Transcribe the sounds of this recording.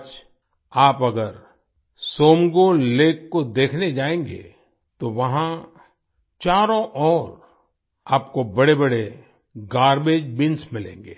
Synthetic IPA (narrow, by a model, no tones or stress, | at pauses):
t͡ʃ | aːpɐɡəɾ | soːmɡoleːkːod̪eːkʰned͡ʒaːẽːŋɡḛ | t̪oʋɐɦã | t͡ʃaːɾõʔɔːɾ | aːp̚kobɐɽebɐɽe | ɡaːɾbed͡ʒbɪ̃nsmɪlḛ̃ːŋɡḛː